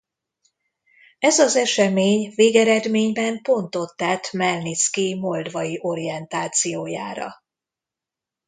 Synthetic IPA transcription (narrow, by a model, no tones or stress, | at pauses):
ɛzɒzɛʃɛmeːɲveːɡɛɾɛd̪meːɲbɛmpo̞nt̪o̞t̪ːɛt̪mɛlnit̪skimo̞ld̪vɒjiʔo̞ɾijɛnt̪aːt̪sijoːja̰ːɾɒ̰